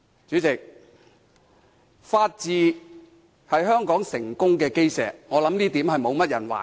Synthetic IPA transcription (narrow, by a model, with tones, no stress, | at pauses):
t͡ʃyː˨˥t͡sɪ˨k̚ | faː˧t̚t͡siː˨˧ | hɐ˨jɦœː˥ŋkɔː˨˥ŋsɪ˨˩ŋkʊ˥ŋkɛː˧ke˥jsɛː˨k̚ŋɔː˨˧lɐ˨˥mniː˥t̪iː˨˥mhɐ˨jmo˨˧wmɐ˥t̚jɐ̰˨˩nwa̰ː˨˩